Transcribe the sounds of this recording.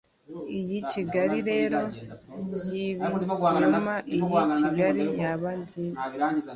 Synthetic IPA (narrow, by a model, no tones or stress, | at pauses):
ijiciɡaɾiɾe̞ːɾo̞jiβiɲamaʔijiiɡaɾijaβandiːzḁ